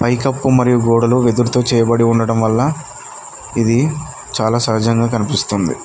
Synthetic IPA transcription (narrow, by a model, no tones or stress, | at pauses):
pɐjkɐpːumɐɾijuɡoːɽɐluʋed̪uɾut̪o̞ːt͡ʃɛːjɐbɐɽiuɳɖɐɽɐmʋɐlːɐ | id̪i | t͡ʃaːlaːsɐɦɐd͡ʒɐŋɡaːkɐnipist̪und̪ḭ